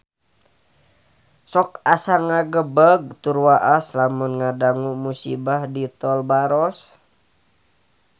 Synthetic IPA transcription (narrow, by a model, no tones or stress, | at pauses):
sɔkasaŋaɡəbəɡ̚t̪uɾwaʔaslamunŋadaŋumusibahdit̪ɔlbaɾɔs